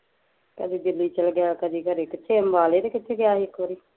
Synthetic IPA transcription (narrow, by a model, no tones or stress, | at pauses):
kəd̪iːd̪ɪlːiːt͡ʃəlɡjaːkəd̪iːkəɾeːkɪt̪ʰːeːəmbaːleːt̪eːkɪt̪ʰeːɡjaːiɪkːʋəɾiː